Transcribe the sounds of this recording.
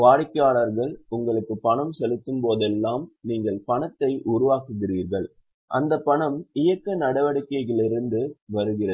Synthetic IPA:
ʋaːɽɪkːaːɭɐɾɣɐɭʊŋɡɐɭɯkːɯpːɐɳɐmsɛlɯt̪ːɯmpoːðɛlːaːmniːŋɡɐɭpɐɳɐt̪ːɐɪʔʊɾʊʋaːkɯɣɪɾiːɾɣɐɭ | ʔɐnd̪ɐpːɐɳɐmɪjɐkːɐnɐɽɐʋɐɽɯkːɐɪɣɐɭɪɾɯnd̪ɯʋɐɾɯɣɪrɐ

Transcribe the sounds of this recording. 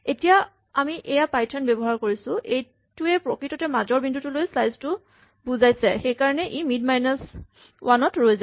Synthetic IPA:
etija | amiʔɛjapajtʰɔnbɛbɔɦaɹkoɹisʊ̃ʔej | tuɛpɹokɹitɔtɛmazɔɹbindʱutulojslajztʊ | buzajsɛxejkaɹɔnɛʔimidmajnas | wʔanɔtɹojza

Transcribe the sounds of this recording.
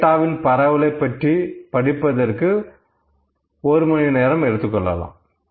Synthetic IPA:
ʈːaːʋɪnpɐɾɐʋɯlɐɪpːɐʈripɐɽɪpːɐðɐrkɯ | ɔɾɯmɐnineːɾɐmɛɽɯt̪ːɯkːɔɭːɐ̰lã̰ː

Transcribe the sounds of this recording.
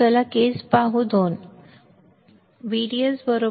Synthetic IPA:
əlakespaɦud̪ʱon | ʋiɽiəsbəɾo

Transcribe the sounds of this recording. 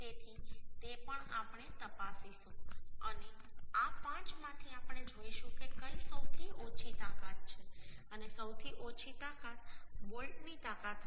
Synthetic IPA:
t̪et̪ʰit̪epəɳa̰pɳ̃et̪əpasiʃũəneapãt͡ʃmãt̪ʰiapɽed͡ʒoiʃũkekəisəwt̪ʰiʔot͡ʃʰit̪akat̪̚t͡ʃʰeənesəwt̪ʰiʔot͡ʃʰit̪akat̪molʈnit̪akat̪

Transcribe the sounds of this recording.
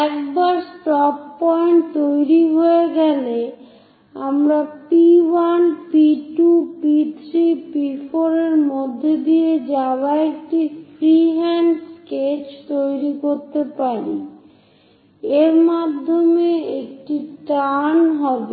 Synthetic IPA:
ɛkbaɾsʈɔpːɔjɳʈ̚t̪ojɾiɦoeɡɛle | amɾapiwanpiʈupit̪ʰɾipifʰoɾeɾmod̪ʱːed̪ied͡ʑabaek̚ʈifɾiɦɛnsket͡ɕt̪ojɾikoɾt̪epaɾi | eɾmad̪ʱːomeekʈiʈanɦɔbe

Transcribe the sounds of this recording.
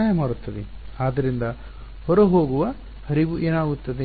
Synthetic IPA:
aːjɐmaːɽut̪ːɐd̪i | aːd̪ɐɾind̪ɐ | hɔɾoɦoːɡuʋɐ | hɐɾiɡuʔeːnaːɡut̪ːɐd̪i

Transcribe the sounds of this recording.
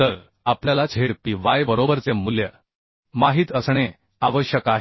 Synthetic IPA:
t̪əɾ | apljalat͡sʰeɽpiʋajbəɾobəɾt͡semːuljə̰ | maɦiːt̪əsɳ̃e | aʋəɕjəkaɦ

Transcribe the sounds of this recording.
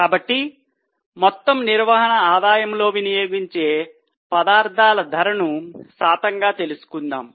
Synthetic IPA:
kaːbɐʈːi | mɔt̪ːɐmniɾʋɐɦɐɳɐaːd̪aːjɐmlo̞ːʋinijo̞ːɡiɲt͡ʃe̞ː | pɐd̪aːɾt̪ʰaːlɐd̪ʱɐɾɐnusaːt̪ɐŋɡaːt̪e̞lusu̥kund̪a̰ːm

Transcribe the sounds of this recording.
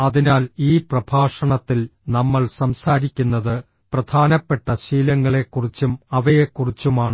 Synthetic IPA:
ɐðinaːliːprɐbʱaːʂɐɳɐt̪ːilnɐmːɐɭsɐmsaːɾikʲːunːɐðɨ | prɐd̪ʰʱaːnɐpːe̞ʈːɐɕiːlɐŋːɐɭe̞kːurit͡ɕːumɐʋɐjekːurit͡ɕːumaːɳɨ

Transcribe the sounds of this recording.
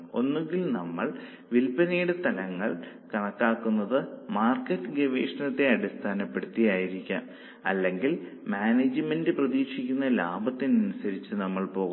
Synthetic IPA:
o̞nːuŋɡilnɐmːɐɭ | ʋilpɐneːjɽet̪ɐlɐŋːɐ̰ɭ | kɐɳɐkːaːkːunːɐðɨmaːrkːɐtːɨɡeʋeːʂɐnɐt̪ːe̞ɐɽist̪ʰaːnɐpːe̞ɽut̪ːijaːjiɾikʲːa̰ːm | ɐ̰lːe̞ŋɡil | maːneːd͡ʑɨmendɨprɐðiːkʂikʲːunːɐla̰ːbʱɐt̪ːinɐnusɐɾit͡ɕːɨnɐmːɐɭpo̞ːɣ

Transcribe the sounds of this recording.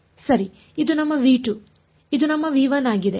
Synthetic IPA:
sɐɾi | id̪unɐmːɐʋiːʈu | id̪unɐmːɐʋiːʋɐnaːɡid̪e

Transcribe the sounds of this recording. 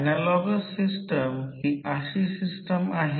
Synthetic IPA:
nalɔɡəsːisʈəmhiʔaɕisisʈəmaɦe

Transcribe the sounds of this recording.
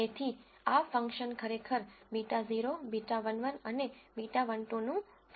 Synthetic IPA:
et̪ʰi | afə̃ŋkʃənkʰəɾekʰəɾmiʈaziɾobiʈaʋənʋənənemiʈaʋəɳʈõnũ | s

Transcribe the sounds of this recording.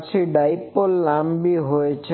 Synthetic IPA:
t͡ʃʰiɖajpolːambiɦojet͡ɕʰe

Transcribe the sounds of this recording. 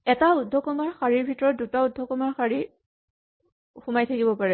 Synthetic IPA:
ɛtaudʱːɔkɔmaɹxaɹiɹbʱitɔɹɔt̚dutaudʱːɔkɔmaɹxaɹi | xumajtʰakibɔpaɹɛ

